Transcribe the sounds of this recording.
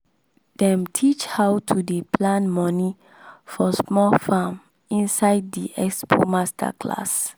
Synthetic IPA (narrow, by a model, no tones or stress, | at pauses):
d̥ɛ̃mtʰit͡ʃhawtʰudepʰlãnmɔ̃ni | fɔsmɔlfãm | ĩnsaɪd̚diʔɛkspʰo̰mastʰa̰kʰla̰s